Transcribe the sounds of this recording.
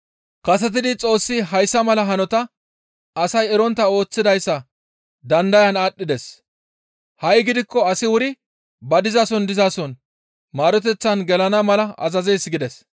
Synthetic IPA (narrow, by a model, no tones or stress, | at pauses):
kɐs̬ɛt̪̬ɪd̪ɪt͡sʼo̞ːsːɪɦɐjsːɐmɐlɐɦɐnɔt̪ɐ | ɐsɐjɛɾɔnt̪ːɐo̞ːt͡sːɪd̪ɐjsːɐ | d̪ɐnd̪ɐjɐnaːɗːɪd̪ɛs | hɐjɡɪd̪ɪkːɔɐsɪwʊɾɪ | bɐd̪ɪzaːsɔnd̪ɪzaːsɔn | maːɾɔt̪ɛt͡sːɐnɡɛlɐnɐmɐlɐɐ̰zɐzejsɡɪd̪ɛs